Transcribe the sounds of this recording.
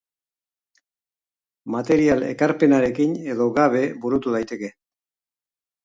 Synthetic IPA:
mat̪e̞ɾiale̞̰kaɾpe̞naɾe̞kine̞ðo̞ɣaβ̞e̞buɾut̪uðajt̪e̞ke̞

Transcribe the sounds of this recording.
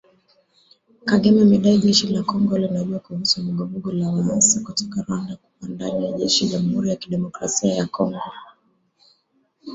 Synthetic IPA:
kaɡɛmɛmiɗaiʄɛʃilakɔŋɡɔlinaʄuakuhusulɔɡɔvuɡɔlawaasakutɔkaɾandaku̥pandaɲajaʄɛʃiʄamuhuɾijakiɗɛmɔkɾasiajakʰɔŋɡɔ

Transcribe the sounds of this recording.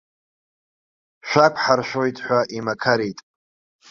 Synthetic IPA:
ʃʷᶣakʷʰʼħarʃʷᶣojtʼħʷaʔimakʰaɾitʼ

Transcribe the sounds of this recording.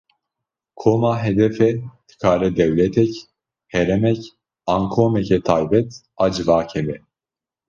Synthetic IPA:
kʰoːmaːɦɛd̪ɛfɛd̪̥ɨ̥kʰaːɾɛd̪ɛwlɛt̪ʰɛc | hɛɾɛmɛc | ɑːŋkʰoːmɛcɛt̪ʰaːjbɛt̪ʔɑːd͡ʒɨvaːkʰɛbɛ

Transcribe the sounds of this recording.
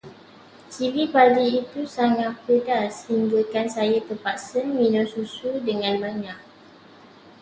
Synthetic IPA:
t͡ʃivipadiːt̪usaŋãpədashiŋɡulkansajat̪əpaksənmĩnɔ̃susudəŋãnbaɲãk̚

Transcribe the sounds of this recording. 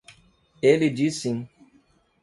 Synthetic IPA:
elid͡ʒisĩŋ

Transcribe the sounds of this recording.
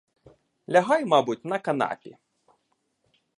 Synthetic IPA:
lʲaɦɑjmɑbutʲnɐkɐna̰pʲḭ

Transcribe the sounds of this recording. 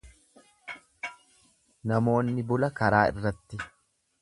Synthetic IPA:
nɐmo̞ːnːɪbʊlɐkɐɾaːɪ̰rːɐt̪ːɪ

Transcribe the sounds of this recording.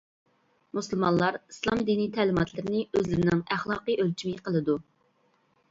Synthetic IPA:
musɨlˠmɑnlˠɑɾislˠɑmd̪init̪ʰæːlɪmɑt̪ʰlˠɨɾɪnɪøzlɪɾɪnɪŋæχlˠɑːqɨʔølt͡ʃʰimiqʰəlˠɨd̪u

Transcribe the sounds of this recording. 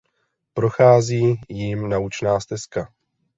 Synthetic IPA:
pɾo̞xaːziːjimnaut͡ʃnaːst̪ɛska

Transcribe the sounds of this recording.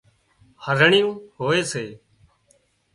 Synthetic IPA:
həɾəɳɪjũːɦoːeːseː

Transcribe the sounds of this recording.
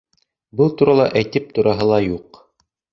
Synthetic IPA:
bɤlˠt̪uɾɑlˠɑʔæjt̪ɘp̚t̪uɾɑɦɤlˠɑjuq

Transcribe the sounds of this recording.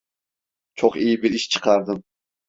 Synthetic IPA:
t͡ʃʰoχijɪbɪɾiʃt͡ʃʰə̥qʰɑɾd̪ɨm

